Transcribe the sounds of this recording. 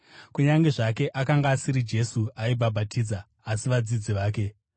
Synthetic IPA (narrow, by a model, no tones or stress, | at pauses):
kuɲaŋɡe̞ʐak̬e̞ʔakaŋɡaːsiɾid͡ʒe̞suaibʱabʱatʰiːd͡zaː | siʋad͡zid͡ziʋaːk̬e̞